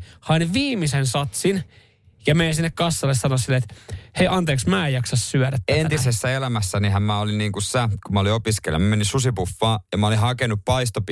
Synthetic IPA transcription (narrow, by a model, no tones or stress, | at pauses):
hɑinʋiːmisensɑt̪sin | jɑmejæsinːekkɑsːɑlːessɑnosilːeet̪heiʔɑnt̪eːksmæːjɑksɑssyæɾæt̪ːent̪isesːæelæmæsːænihæmmæolinniːŋkusækumæoliopiskḛlːɑ̰mmeninsusipufːɑːjɑmæolihɑkenuppɑist̪op